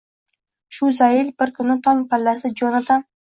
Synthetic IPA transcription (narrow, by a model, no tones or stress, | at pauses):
ʃʊzajɪlbɪɾkʰʊnɪt̪ʰɒŋpʰalːasɪd͡ʒonat̪ʰa